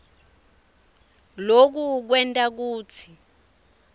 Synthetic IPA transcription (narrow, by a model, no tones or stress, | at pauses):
lok̬uk̬wɛntʼak̬uːt͡sʰi̥